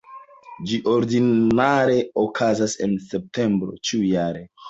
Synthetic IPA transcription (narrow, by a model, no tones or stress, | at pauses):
d͡ʒiʔoɾdinaɾe̞okʰazase̞̰nse̞p̚te̞mbɾo̞̰t͡ʃiujaɾe̞